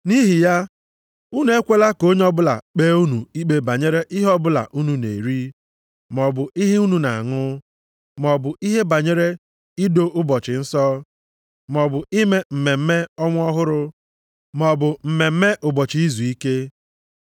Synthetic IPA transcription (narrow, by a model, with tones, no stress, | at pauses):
ni˦ɦi˨ja˦ | u˦nu˨e˦kʷe˦la˦ko˦ɲ˦ɔ˦bʊ˦la̰˨k͡pe˦u˦nu˨i˦k͡pe˨ba˨ɲe˦ɾe˦ʔi˦ɦɔ˦bʊ˦la̰˨ʔu˦nu˦nḛ˨ɾi˦ | m˨ɔ˨bʊ˨i˦ɦi˦u˦nu˨na̰˨a˨ŋʊ˦ | mɔ˨bʊ˨ʔi˦ɦe˦ba˨ɲe˦ɾe˦ | i˦do˦ʔʊ˦bɔ˨t͡ʃɪ˨n̩˦sɔ˦ | m˨ɔ˨bʊ˨i˦me˦m̩˨me˨m̩˦me˦ɔ˦ŋʷ˦ɔ˦ɦʊ˦ɾʊ˦ | mɔ˨bʊ˨m̩˨me˨m̩˦me˦ʔʊ˨bɔ˨t͡ʃi˨i˦zu˨i˦ke˦